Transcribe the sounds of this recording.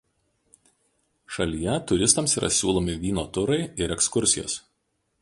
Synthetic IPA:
ʃɐlʲijɛt̪ʊɾʲɪst̪ɐmsiːɾʔɐ̰sʲuːlˠoːmʲɪʋʲiːnoːt̪ʊɾɐɪɪɾɛkskʊɾʲsʲɪjo̰ːs

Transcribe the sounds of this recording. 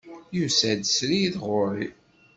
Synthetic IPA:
jusæd̪sɾiðʁʊɾi

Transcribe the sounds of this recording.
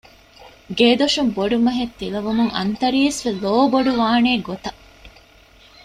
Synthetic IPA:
ɡeːd̪oʃumboɖumɐɦet̪ːilɐʋumuŋɐ̰nt̪ɐɾiːsʋeloːboɖuʋaːneːɡot̪ɐ

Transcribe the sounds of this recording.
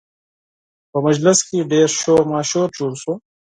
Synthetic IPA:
pəmɐd͡ʑlɪskiɖeːɾʃoːmaːɕoːt͡ʃuɽsũː

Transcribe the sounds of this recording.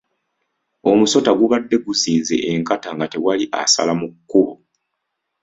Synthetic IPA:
o̞muso̞taɡuβadːe̞ɡuziːnze̞̰ʔeŋkataŋɡate̞waliʔa̰sa̰lamukːuβo

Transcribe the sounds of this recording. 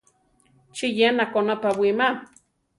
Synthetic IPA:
t͡ʃijenakonapawima

